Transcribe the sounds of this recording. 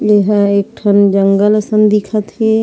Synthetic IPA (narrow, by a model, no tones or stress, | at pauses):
jeɦə̃ek̚ʈʰənd͡ʒəŋɡələsənd̪ikʰət̪ɦe